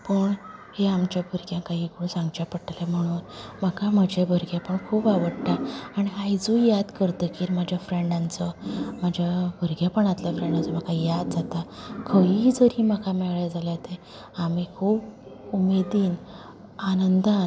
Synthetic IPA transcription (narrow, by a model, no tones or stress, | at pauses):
pəɳheamt͡ɕjabʱəɾkjãkaɦiːkəɽũsãŋɡt͡ɕapəʈalem̤əɽ̃uːnm̤akaməd͡ʑʱebʱəɾɡjapəɳkʰuːpaʋəɽʈaaɽ̃iajd͡zũjad̪kəɾt̪əkiːɾmad͡ʑʱjafɾeɳɖant͡səmad͡ʑʱjabʱəɾɡjapəɳat̪ləfɾẽɳɖant͡səm̤akajad̪̚d͡zat̪akʰəid͡zəɾiːm̤akamɛɭajd͡zalat̪e | amikʰuːb | umed̪iːn | anənd̪a